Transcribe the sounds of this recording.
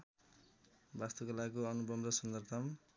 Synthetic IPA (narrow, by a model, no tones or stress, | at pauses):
bast̪okʌlakoʌnubʌmrʌsʌnd̪ʌrt̪ʰʌm